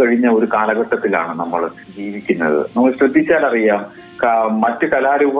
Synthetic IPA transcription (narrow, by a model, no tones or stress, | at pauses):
kɐɻiɲːɐo̞ɾukaːlɐɣɐʈːɐt̪ːila̰ːɳɨnɐmːɐɭ | d͡ʑiːʋikʲːunːɐ̰ðɨ̰nɐmːɐɭɕɾud̪ʱːit͡ɕːaːlɐrijaːm | kːɐtːɨkɐlaːɾuːb